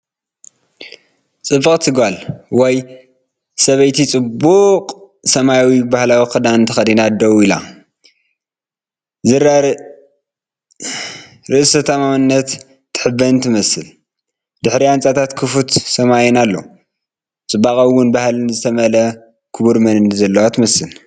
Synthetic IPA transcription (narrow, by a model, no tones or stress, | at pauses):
t͡sʼɨbːɨqʼt̪ʰɨɡalwɔj | sɐβɐjt̪ʰit͡sʼɨbːuqʼ | sɐmajawibahlawixɨd̪anɨnt̪ʰɐxɐd̪inad̪ɐwuila̰ | ɾ | ɾɨʔɨsɐt̪ʰɐmamɨnːɐt̪ː | ɨ̥ħɨbɐnt̪ʰɨmɐsɨl | d̪ɨħɾiant͡sʼat̪ʰat̪kʰɨfut̪sɐmajɛnalːo̰ | t͡sʼɨbːakʼawwːʊnbahlnzɨt̪ʰɐmɐlɐ | kʰɨβuɾmɐnɨnzɐlːɐwat̪ʰɨmɐsɨl